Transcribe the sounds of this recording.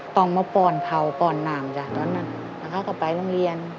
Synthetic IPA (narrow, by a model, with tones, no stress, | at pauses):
t̪ɔ˧˩ŋmaː˧˩pɔː˧˩nkʰa˧˩wpɔː˧˩nːaː˨˩mt͡ɕa˧˩t̪ɔː˧˨nːa˧˥˩n | la˧˩kʰa˧˩ka˧˩pa˨jlo˧˥˨ŋli˧ən